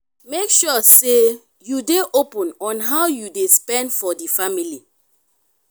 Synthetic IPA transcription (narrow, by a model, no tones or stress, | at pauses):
mekʃɔse | judeʔopɔ̃nɔ̃nɦawjudespɛ̃ndfɔdifamili